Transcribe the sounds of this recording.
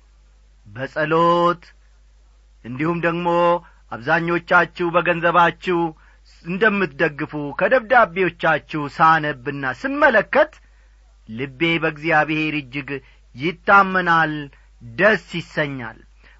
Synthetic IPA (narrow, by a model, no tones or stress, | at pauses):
bəsʼəlot̪ | ʔɨnd̪ihumd̪əɡmo̞ | ʔaβzaɲːo̞t͡ʃːat͡ʃːɛwbəɡənzəβat͡ʃːɛw | ɨnd̪əmːɨt̪d̪əɡːɨfukʰəd̪əβd̪abewo̞t͡ʃːat͡ʃːɛwsanəbːɨnːasɨnmələkːət̪ː | ɨbːe̞bəɡzijaβɨhe̞ɾɨd͡ʒːɪɡ | jɪt̪ːamːənal | d̪əsːjɪsːəɲːa̰l